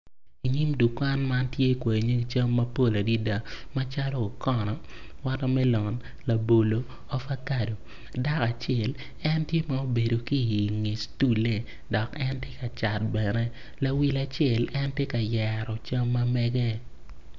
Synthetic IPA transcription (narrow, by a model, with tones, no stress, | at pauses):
i˨ɲi˦mdu˨kwa˦nma˦ntje˦kwe˨ɲe˦˨t͡ʃɐ˦mːɐ˦po˦˨la˨di˦da˨ma˦t͡ʃa˦lɔ˦o˨kɔ˦˨nɔ˨ | wa˦tɔ˦mɛ˦lɔ˨n | la˨bo˨lo˦ | ɔ˦fa˦ka˦˨do˨ | da˦ka˨t͡ʃjɛ˦˨l | ɛ˦ntje˦ma˨o˦be˨do˨ki˦˨ŋe˨stu˦le˦˨ | dɔ˨kɛ˦ntje˦ka˨t͡ʃa˨t̚bɛ˨nɛ˦ | la˨wi˦la˨t͡ʃjɛ˨lɛ˦ntje˦ka˨jɛ˨ɾɔ˨t͡ʃa˦mːa˦mɛɡɛ˦